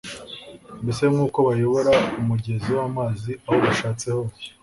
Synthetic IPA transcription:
mbese̞mŋuːko̞βajo̞βo̞ɾaumuɟe̞ziwaːmaːziaho̞βaʃaːt͡se̞ho

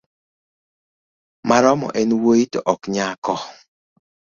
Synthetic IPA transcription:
maɾɔmɔ̰ʔɛnwoitɔʔɔkɲakɔ

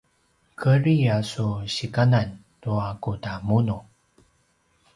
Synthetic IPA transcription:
kʰəɾiasuɕikanan | tuakudamunu

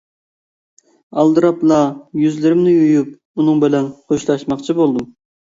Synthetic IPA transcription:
ɑlˠd̪ɨɾɑplˠɑjyzlɪɾɪmnɪjujup̚ | unɨŋbɪlɛnχʰoʃlˠɑʃmɑχt͡ʃʰibolˠd̪um

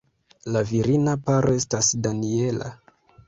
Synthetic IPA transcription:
laviɾinapaɾoe̞stasdanie̞la̰

